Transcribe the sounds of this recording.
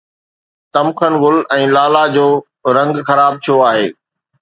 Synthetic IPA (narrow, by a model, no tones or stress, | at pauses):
t̪ɐmxənɣʊlɛ̃ːlaːlad͡ʑoː | ɾɐ̃ŋɡxɐɾaːb̚t̪ʰijoaːɦḛː